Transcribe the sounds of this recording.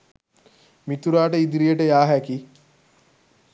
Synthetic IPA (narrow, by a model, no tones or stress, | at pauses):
mit̪uɾaːʈəid̪iɾijəʈəjaːɦæki